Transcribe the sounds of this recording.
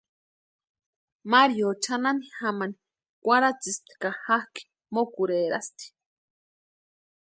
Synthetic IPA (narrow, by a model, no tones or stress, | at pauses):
maɾjot͡ʃʰananixamani | kʷaɾat͡sist̪i̥kahahki̥ | mokuɾeɾa̰st̪i̥